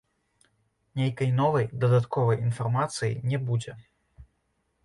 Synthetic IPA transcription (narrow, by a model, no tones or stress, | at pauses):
nʲejkɐjnɔvɐjd̪ɐd̪at̪kʰɔvɐjinfarmat̪sɨjḭnʲɛbud͡zʲɛ